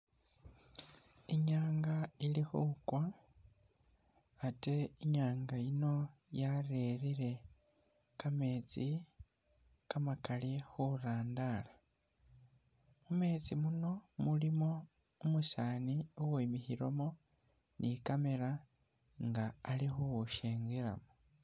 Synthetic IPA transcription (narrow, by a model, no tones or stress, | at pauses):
iɲaːŋɡailixukwa | te̞iɲaːŋɡaino̞jareɾiɾe̞ | kame̞ːt͡si | kamakalixuɾaːndala | mume̞ːt͡simuno̞mulimo̞ | umuʃaːniuwuimixiɾomo | nʔikame̞ɾa | ŋɡaːlixuuʃeːŋɡiɾa̰mo